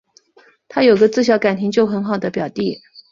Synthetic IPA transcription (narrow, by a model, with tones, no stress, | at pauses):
t̪ʰa˥jo˨˩ʊɡə˦t͡sɹ̩˥˩ɕ̬jɑ˧˥ʊka˨˩nt̪ʰi˧˥ŋt͡ɕjo˥˩ʊxə˧˥nxɑ˨˩ʊd̪ə˦pjɑ˨˩ʊt̪i˥˩